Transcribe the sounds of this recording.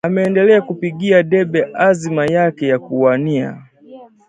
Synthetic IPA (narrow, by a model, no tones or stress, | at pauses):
amɛːndɛlɛakupiɠiaɗɛɓɛʔazimajakɛjakuania̰